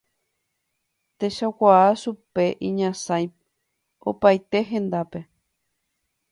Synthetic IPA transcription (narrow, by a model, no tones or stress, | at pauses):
t̪e̞ʃakʷaaʃupe̞ʔĩɲãsãj | o̰pajt̪e̞ɦẽ̞nd̪ape̞